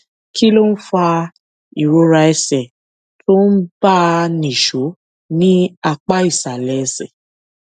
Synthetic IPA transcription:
ki˦lo˦n̩˦fa˧ | i˨ɾo˧˦ɾa˧ɛ˧sɛ˨ | to˦n̩˦ba˦nĩ˨ʃo˨˦ | nĩ˦a˧k͡pa˦i˦˨sa˨lɛ˨˦ɛ˧sɛ˨

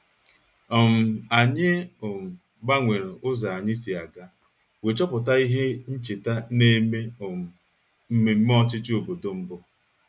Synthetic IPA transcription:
ɔ˨m̩˨a˨ɲɪ˦ɔ˨m̩˨ | ɡ͡ba˦ŋʷe˨ɾe˨ʔʊ˦za˨a˨ɲɪ˦si˨a˨ɡa˦ | we˨t͡ʃɔ˦pʊ˨ta˦i˦ɦe˦n̩˦t͡ʃe˨ta˦ne˦me˦o˨m̩˨ | m̩˦me˨m̩˦m˦ɔ˦t͡ʃɪ˦t͡ʃɪ˦o˨bo˨do˦m̩˦bʊ˦

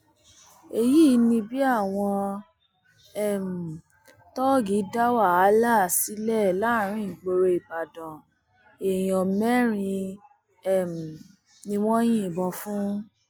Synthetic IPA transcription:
e˨ji˦nĩ˧bi˦a˦˨w̃ɔ̃˧ | ɛ˦˨m̩˨ | tɔ˦ɡi˨˦da˦wa˦˨a˨˦la˦˨si˨˦lɛ˦˨la˦˨ɾ̃ĩ˦˨ɡ͡bo˧ɾo˧i˨ba˨dɔ̃˨ | e˨j̃ɔ̃˨mɛ˦ɾ̃ĩ˧ | ɛ˦˨m̩˨ | nĩ˧w̃ɔ̃˦j̃ĩ˦˨bɔ̃˧fũ˦

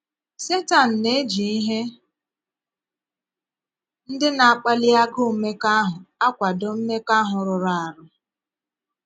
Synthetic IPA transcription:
se˦ta˨n̩˨ne˦d͡ʒi˨i˦ɦe˦ | n̩˦dɪ˦na˨a˨k͡pa˦li˦a˦ɡʊ˦˨me˦ka˦ɦʊ˨a˦kʷa˨dɔ˦m̩˦me˦ka˦ɦʊ˨ɾʊ˨ɾa˨a˨ɾʊ˦

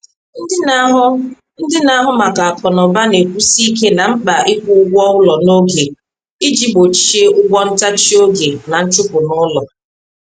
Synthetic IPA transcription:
n̩˦ɪ˦ | n̩˦dɪ˦na˦ɦʊ˦ma˨ka˨a˨kɔ˨nɔ˨ba˦ne˨kʷu˦si˦k̬e˦na˨ŋ͡m̩˦k͡pa˨ʔɪ˦kʷʊ˦ʊ˦ɡʷɔ˦ʊ˦lɔ˨no˦ɡe˨ | i˦d͡ʒi˦bo˨t͡ʃi˦e˦ʔʊ˦ɡʷɔ˦n̩˦ta˦t͡ʃi˦o˦ɡe˨na˨n̩˦t͡ʃʊ˦pʊ˨nʊ˦lɔ˨

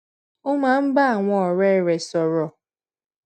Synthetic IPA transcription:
ʊ˦ma˨m̩˦ba˦a˨ŋʷɔ˨ɾe˦˨ɾe˨sɔ˨ɾɔ˨

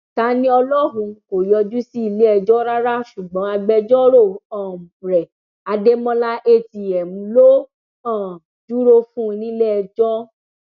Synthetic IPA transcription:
ta˨˦nĩ˦ɔ˧lɔ˦ɾ̃ũ˧ko˨jɔ˧d͡ʒu˦si˦i˧le˦ɛ˧d͡ʒɔ˦ɾa˦ɾa˦ʃu˨ɡ͡bɔ̃˨˦a˧ɡ͡bɛ˧d͡ʒɔ˦ɾo˦˨ɔ̃˨ | ɾɛ˨ | a˧de˦mɔ̃˦la˦ʔe˦˨ti˨ɛ˨mũ˨˧˦lo˦ | ɔ̃˦˨ | d͡ʒu˦ɾo˦fũ˦˧nĩ˦lɛ˦ɛ˧˨d͡ʒɔ˦

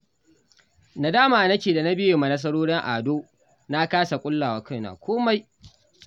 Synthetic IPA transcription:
na˨daː˦maː˨nɐ˦kʲeː˨da˨na˦bɪ˦jeː˨ma˨nɐ˦s̬ɐ˦ɽoː˦ɽɪ˦ŋʔa̰ː˨doː˦ | na˦kaː˦sa˨kʷʼʊ˦lːaː˨waː˨kɐ˦˨na̰ː˨kʷʰoː˦ma˦j

